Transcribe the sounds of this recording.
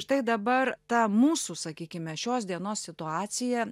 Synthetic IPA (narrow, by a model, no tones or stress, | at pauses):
t̪ɐɪd̪ɐbɐɾt̪ɐmuːsuːsɐkʲiːkʲɪmʲɛʃʲoːs̬d̪ʲiɛnoːssʲɪt̪ʊɑːt͡ssʲɪjɛ